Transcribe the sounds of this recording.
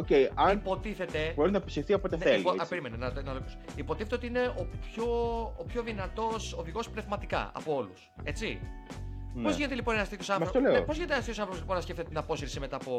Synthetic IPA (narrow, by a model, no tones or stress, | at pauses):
ocejɐnipo̞t̪iθe̞t̪e̞bo̞ɾinɐpisifθiɐpot̪enelpoɐpeɾimenenɐnɐlokusipo̞t̪iθet̪eot̪iine̞opço̞ːpço̞ðinɐt̪o̞soðiɣo̞spne̞vmɐt̪ikɐ̰ɐ̰po̞o̞lus | e̞t͡si | pozʝine̞t̪elipo̞nenɐst̪ikosɐnθmsɾoleopozʝinet̪enɐst̪içjosɐθɾopoliponɐsceft̪t̪et̪inɐpo̞siɾsime̞t̪ɐːpo̞